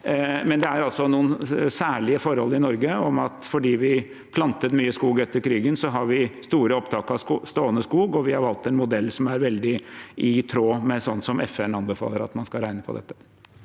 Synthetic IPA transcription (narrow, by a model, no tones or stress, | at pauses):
mɛnd̪ɛæɾɑlsɔnuːənsæːɭɪəfɔɾhɔlːɪnɔɾɡəɔmɑt̪fɔɖiːʋɪ | pʰlɑnt̪ət̪myːəskuːɡɛt̪ːəɾkʰɾiːɡənsɔɦɑɾʋɪst̪uːɾəɔpt̪ʰɑːkəɑst̪oːənəskuːɡɔʋɪhɑɾhɑlt̪ːɛnmʊd̪ɛlːsɔmæɾʋɛld̪ɪʔɪt̪ʰɾoːmɛsɔnːsɔmɛfɛnɑnbəfɑ̰ːləɾɑ̰t̪mɑnskɑɾæɪnəpʰɔ̰d̪ɛ̰t̪ːə̥